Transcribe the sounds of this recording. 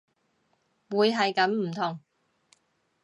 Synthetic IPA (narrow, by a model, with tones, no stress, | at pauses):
wuː˨˧jɦɐ˨jkɐ˨˥mm̩˨˩t̪ʰʊ˨˩ŋ